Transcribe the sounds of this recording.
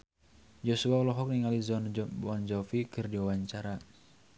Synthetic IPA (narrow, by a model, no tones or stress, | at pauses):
d͡ʒɔsuaulɔɦɔk̚niŋalizɔnbɔnd͡ʒɔfikɨrdiwawaɲt͡ʃaɾa